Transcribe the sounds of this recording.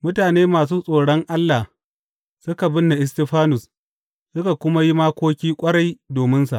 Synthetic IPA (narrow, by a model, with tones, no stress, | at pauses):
mʊ˦taː˨neː˦maː˨s̬uː˦sʼoː˨ɽɔ˦ŋʔa˦lːa˨h | sʊ˦ka˨bɪ˦nːa˨ʔɪ˨sti˨ɸaː˦nʊ˨s | sʊ˦ka˨kʷʊ˦ma˦ji˦maː˦kʷoː˦kʲiː˦kʷʼɐ˦ɽa˦jdoː˨mɪ˦nsa̰˨ʔ